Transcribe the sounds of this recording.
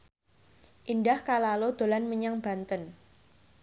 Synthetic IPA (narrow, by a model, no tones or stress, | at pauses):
ʔindahkalalod̪̥o̤lanməɲaŋb̥a̤nt̪ən